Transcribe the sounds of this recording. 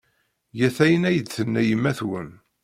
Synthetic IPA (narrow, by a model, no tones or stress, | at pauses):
jæθæjənæjəd̪θənːæjəmːæθwən